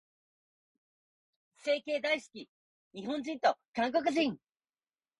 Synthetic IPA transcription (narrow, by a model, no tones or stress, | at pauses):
se̞ːke̞ːd̪aisɨ̥kʲi | ɲiɦõ̞ɲd͡ʑĩnt̪o̞kãŋko̞k̬ɯ̟ʑĩŋ